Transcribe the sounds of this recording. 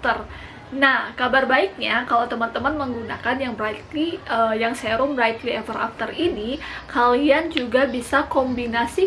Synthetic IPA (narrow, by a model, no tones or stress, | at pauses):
t̪ər | nahkabarbaik̚ɲakalawt̪əmant̪əmanməŋɡunakanjaŋbəɾaik̪liəjaŋsajaɾuməɾaik̪liɛvəɾa̰ft̪ərinikʰaliand͡ʒuɡabisakɔmbinasi